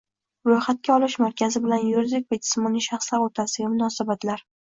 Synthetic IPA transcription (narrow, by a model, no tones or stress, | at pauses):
ɾojχat̪̚kʲaɒlˠɪʃmaɾkʲʰazɪbɪlanjoɾzɪkʲvad͡ʒɪ̥smɒniʃaχslaɾot̪ʰasɪɡʲamʊnɒːsabat̪ʰlaɾ